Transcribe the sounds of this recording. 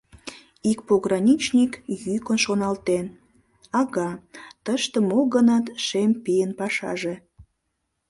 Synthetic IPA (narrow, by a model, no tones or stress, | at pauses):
ik̚poɣrɑnʲit͡ɕnʲikjykonʃonɑlt̪en | ɑɣɑt̪əʃt̪ə̆moɣənɑt̪ʃempijənpɑʃɑ̰ʒe